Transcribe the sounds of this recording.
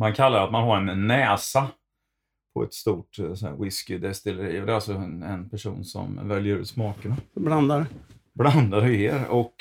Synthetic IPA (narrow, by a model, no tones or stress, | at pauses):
mankʰalːaɾat̪manhaɾɛnnːɛːsa | pʰɔɛ̰t̪st̪uːʈsnæ̰ɾwɪskɪd̪ɛst̪ɪlɛɾḭːɔd̪ɛɾalsɔɛnpʰæʂṵːnsɔ̰mvɛljəɾʉ̟̰ːt̪smɑːkənabland̪aɾ | bland̪aɾeːɾɔk